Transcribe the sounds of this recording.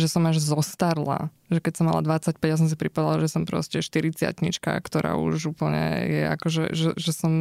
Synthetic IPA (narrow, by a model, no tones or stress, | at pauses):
ʒɛsɔmaʒzɔst̪aɾla̰ | ʒɛkɛcsɔmːa̰la̰d̪ʋat͡sacpɛɟjas̬ɔ̃ms̬ipɾipad̪alaʒɛsɔmpɾɔ̰scɛʃt̪iɾit͡sɪa̰t̪ɲḭt͡ʃka̰kt̪ɔɾa̰ːṵʒuːpl̩ɲɛ̰jɛ̰a̰kɔʒɛ̰ʒɛʒɛsɔm